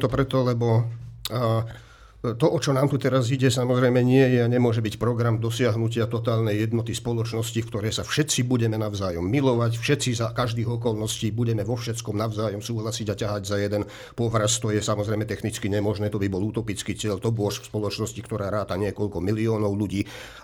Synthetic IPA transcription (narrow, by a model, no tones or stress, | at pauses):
t̪ɔpɾɛt̪ɔlɛbɔ | t̪ɔʔɔt͡ʃɔnaːmt̪ut̪ɛɾaziɟɛsamɔzɾɛjmɛɲɪɛjɛaɲɛmʊɔʒɛbicpɾɔɡɾamd̪ɔsɪaɦnucɪat̪ɔt̪aːlnɛjɛd̪nɔt̪ispɔlɔt͡ʃnɔscifkt̪ɔɾɛjsafʃɛt̪t͡sibuɟɛmɛnaʊzaːjɔmːilɔʋacfʃɛt̪t͡sizakaʒd̪iːɣɔkɔlnɔsciːbuɟɛmɛʋɔfʃɛt͡skɔmnaʊzaːjɔmsuːɦlasiɟacaɦaɟzajɛd̪ɛn | pɔɦɾast̪ɔjɛsamɔzɾɛjmɛt̪ɛxnit͡skiɲɛmɔʒnɛːt̪ɔbibɔlut̪ɔpit͡skiːt͡sɪɛʎt̪ɔbʊɔʃfspɔlɔt͡ʃnɔscikt̪ɔɾaːɾaːt̪aɲɪɛkɔlkɔmiliɔːnɔʊluɟiː